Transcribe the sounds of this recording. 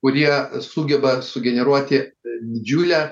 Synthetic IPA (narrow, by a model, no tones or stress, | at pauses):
kʊɾʲiɛsuːɡʲɛbɐsʊɡʲɛnʲɛɾuɔt̪ʲɪd̪ʲɪd͡ʒʲuːlʲæː